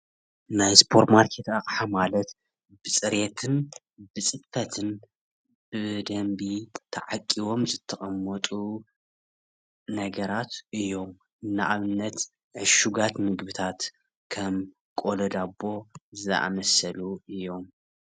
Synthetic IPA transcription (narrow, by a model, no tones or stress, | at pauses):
najspʰoɾt̪maɾkʰet̪aχʼħamalɐt̪ | b̥ɨsʼɨɾet̪ʰɨn | bɨsʼɨfɐt̪ʰɨn | b̥ɨd̪ɐmbit̪ʰɐʕakʼːiwo̞mzɨt̪ʰːɐχʼɐmːɐt̪ʼu | nɐɡɐɾat̪ɨjːo̞m | ɨnːaʔaβɨnːɐt̪ | ʕɨʃuɡat̪mɨɡbɨt̪ʰat̪ | kʰɐm | kʼo̞lɐd̪abːo̞zɨʔa̰mɐsɐluʔɨjːo̞m